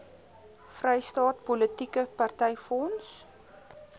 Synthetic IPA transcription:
frɛjstɑːt̚polətikəpɐrtɛjfɔns

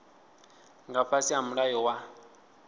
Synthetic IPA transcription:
ŋɡapʰasiɦamuɺajɔwa

